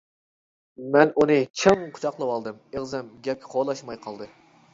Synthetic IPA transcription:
mɛnʔunɨt͡ʃʰɨŋqʰʊ̥t͡ʃʰɑqlˠɨwɑlˠd̪ɨmeʁzɛmɡʲɛp̚kʲɛχʰolˠɑʃmɑjqʰɑlˠd̪ɨ

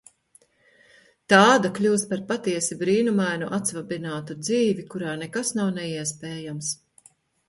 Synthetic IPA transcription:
t̪aːd̪aklʲuːst̪̚paɾpat̪iɛsibɾiːnumajnuʔat̪svabinaːt̪ud̪ziːvikuɾaːnɛkasnawnɛiɛspɛːjams

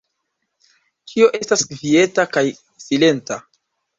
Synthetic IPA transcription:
kʰio̞ʔe̞stasvie̞takaj | sile̞nta

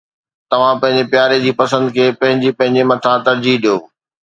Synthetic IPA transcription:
t̪ɐʋ̤ãpɐ̃ɦɪ̃ɲd͡ʑepjaːɾed͡ʑiːpɐsə̃nd̪kʰeːpɐ̃ɦɪ̃ɲd͡ʑipɐ̃ɦɪ̃ɲd͡ʑemɐt̪ʰat̪ɐɾd͡ʑiːɦɗijoː

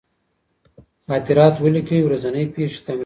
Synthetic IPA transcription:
xɑːt̪ɪɾɑt̪wəlikəwiwɾazanəjpeʃi̥t̪am

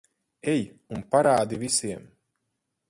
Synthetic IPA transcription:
ej | unpaɾaːd̪ivisiɛm

